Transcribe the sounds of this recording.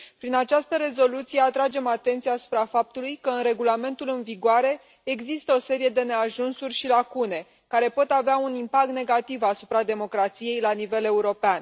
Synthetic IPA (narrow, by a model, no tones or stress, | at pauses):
pɾinat͡ʃast̪əɾe̞zo̞lut̪sije̞at̪ɾad͡ʒe̞mat̪e̞nt̪sijaːsu̥pɾafap̚t̪ulujkəɨnre̞ɡulame̞nt̪ulɨnviɡoaɾe̞ː | ɡzist̪əo̞se̞ɾije̞d̪e̞ne̞aʒunsurʲʃilakune̞ | kaɾe̞po̞t̪aveaunimpak̚t̪ne̞ɡat̪ivasupɾad̪e̞mo̞kɾat̪sije̞jlanive̞le̞uɾo̞pean